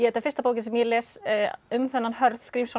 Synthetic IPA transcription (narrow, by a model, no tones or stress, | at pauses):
jɛɛt̪afɪɾ̥st̪apoːwcɪnsɛmjɛlɛːsʏmθɛnːanhœɾθkɾiːmsa